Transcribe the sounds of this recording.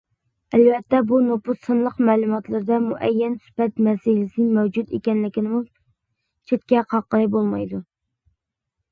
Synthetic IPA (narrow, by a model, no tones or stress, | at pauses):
ɛlvɛt̪ʰːɛbunopʊt̪sɨnlˠəqmɛːlˠumɑt̪lˠɨɾɨd̪ɛmuʔɛjːɛnsy̥pɛt̪mɛsɪlɪsɪnɪŋmɛwd͡ʒud̪ḛkʲɛnlɪkʲɪnɪmu | t͡ʃʰet̪̚kʲɛqʰɑqːəlˠɨbolˠmɑjd̪u